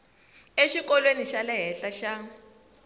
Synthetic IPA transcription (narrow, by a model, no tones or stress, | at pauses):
eʃikɔlweniʃalɛɦɛɬaʃa